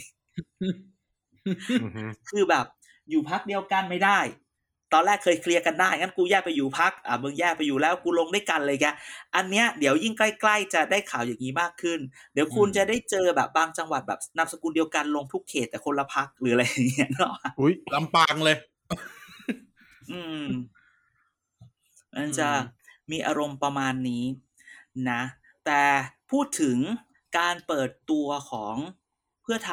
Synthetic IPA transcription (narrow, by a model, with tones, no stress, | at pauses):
kʰɯː˧bɛː˨˩p̚ | juː˨˩pʰa˦˥k̚di˧əwka˧nma˥˩jdaː˥˩j | t̪ɔː˧nlɛː˥˩kʰːɤː˧jkʰli˧əka˧ndaː˥˩jŋa˦˥nku˧jɛː˥˩k̚pa˧jːuː˨˩pʰa˦˥k̚ʔaː˧˩mɯ˧ŋjɛː˥˩k̚pa˧jːuː˨˩lɛː˦˥wkuː˧lo˧ŋda˥˩jka˧nlɤː˧˨˩i˦˥ʔa˧nːi˦˥ɐdi˩˦əwji˥˩ŋkla˥˩jkla˥˩jt͡ɕa˨˩daː˥˩jkʰaː˩˦wjaː˨˩ŋːiː˦˥maː˥˩kʰːɯ˥˩ndi˩˦wkʰu˧nt͡ɕa˨˩daː˥˩jt͡ɕɤː˧bɛ̰ː˨˩p̚baː˧ŋt͡ɕa˧ŋwa̰˨˩t̪̚bɛ̰ː˨˩p̚na˧m̚sa˧kuː˧ndi˧əwka˧nlo˧ŋt̪ʰu˦˥kʰːeː˨˩t̪ːɛː˨˩kʰo˧nla˧pʰa˦˥k̚lɯː˩˦a˧ɾa˧jːa˨˩ŋːi˦˥ɐʔnɔ˦˥u˦˥jla˧˦mpaː˧ŋlɤː˧j | ʔɯː˧m | ma˧nt͡ɕa˨˩miː˧ʔaː˧ɾo˧mpɾa˧maː˧nːiː˦˥ | na˦˥ | t̪ɛː˨˩pʰuː˥˩t̪ʰːɯ˩˦ŋ | kaː˧npɤː˨˩t̪ːu˧ɐkʰɔː˩˦ŋ | pʰɯ˥˩ɐt̪ʰ